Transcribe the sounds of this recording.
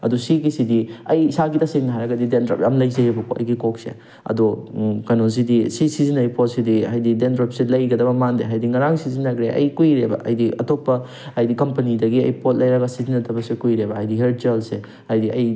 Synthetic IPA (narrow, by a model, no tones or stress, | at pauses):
ɐdusiɡisidiɐjsaɡitɐseŋnɦaɾɐɡɐdidendɾo̰pɐmlɐjzɐjebɐkʰoɐ̰jɡikok̚sḛ | ɐ̰dokɐnoz̬idisisizinɐjpot̚sidihajdidendɾopselɐjɡɐdɐbɐmandeɦajdiŋɐɾaŋsizinːɐɡɾeʔɐ̰jkujɾebɐ̰ʔɐjdiʔɐtop̚pːɐ | ajdikɐmpɐnidɐɡiɐ̰jpot̚lɐjɾɐɡɐsizinːɐtʰɐbɐsekujɾebɐɦajdiɦeɾ̚t͡ʃelse | hajdiɐj